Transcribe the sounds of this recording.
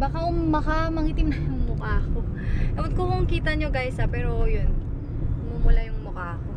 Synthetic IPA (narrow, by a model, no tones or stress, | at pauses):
baːkaʔʊmɐkamɐhiːt̪ɪmnɐjʊŋmʊkaːkoʔɐwʊd̪̚kokoŋkiːt̪ɐɲoɡajsɐpɛːɾo̞jon | ɡʊmuːmʊlajʊŋmʊkaːko